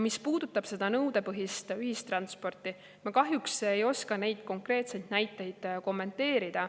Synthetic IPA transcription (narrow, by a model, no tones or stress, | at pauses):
mispuːd̪̥ut̪ːˑɑb̥se̞d̪̥ɑnɤwd̪̥e̞pɤɦist̪yhist̪rɑnspo̞rt̪ːˑi | mɑkɑɦjukseejo̞skɑne̞jd̪̥ko̞ŋkre̞ːt̪se̞jd̪̥næjt̪ːˑe̞jd̪̥ko̞mːe̞nt̪e̞ːɾid̪̥ɑ